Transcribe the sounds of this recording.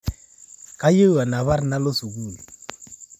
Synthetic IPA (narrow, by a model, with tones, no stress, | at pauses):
ka˦je˦a˨na˨βa˦ɾna˦lo˦su˨ɡu˦˨l